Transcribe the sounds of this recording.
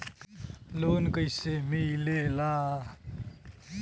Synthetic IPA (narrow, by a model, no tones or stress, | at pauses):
loːnkəjsemijlelaː